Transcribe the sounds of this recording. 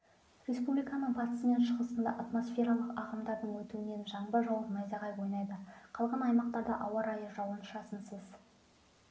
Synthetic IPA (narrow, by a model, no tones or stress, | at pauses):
rʲe̞spublijkɑnəɴpʰɑt̪ə̥səme̞nʃəʁəsənd̪ɑ̰ʔat̪mo̞sfʲe̞ɾɑlˠəqɑʁɑmd̪ɑɾd̪əɴwɵt̪uɪne̞nʒɑɴbəʒɑwəqnɑjzɑʁɑjwo̞jnɑjd̪əqʰɑlˠʁɑnɑjmɑq̚t̪ɑɾd̪ɑʔɑwɑɾɑjəʒɑwənʃɑsənsəz